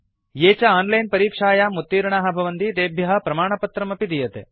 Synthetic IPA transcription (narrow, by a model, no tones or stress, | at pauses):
jeːt͡ʃɐaːnlɐjnpɐɾiːkʂaːjaːmut̪ːiːɾɐɳaːɦɐ̆bʱɐʋɐnd̪id̪eːbʱjɐɦɐ̆pɾɐmaːɳɐpɐt̪ɾɐmɐpid̪ijɐt̪e